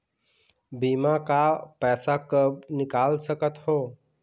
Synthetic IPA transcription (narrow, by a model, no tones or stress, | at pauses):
biːmakapɛːsakəbnɪkaːlsəkət̪ɦoː